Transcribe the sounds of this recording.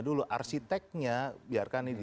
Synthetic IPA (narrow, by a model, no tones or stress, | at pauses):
duluʔa̰rsit̪ɛk̚ɲabiarkanɪd